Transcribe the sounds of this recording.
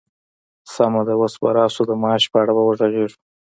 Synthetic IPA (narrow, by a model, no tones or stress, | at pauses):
samad̪awosbaɾɑsod̪əmɑːʃpəaɽabawəʐaɣeʐu̥